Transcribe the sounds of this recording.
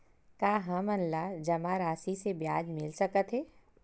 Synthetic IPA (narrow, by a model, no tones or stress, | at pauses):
kaːɦɐmɐnlad͡ʒɐmaɾaːsisebjaːd͡ʒmɪlsɐkət̪ɦɛː